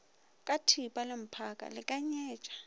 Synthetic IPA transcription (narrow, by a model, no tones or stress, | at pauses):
kʼatʰipʼalɪm̩pʰakʼa̰lɪkʼaɲɛːt͡ʃʼḁ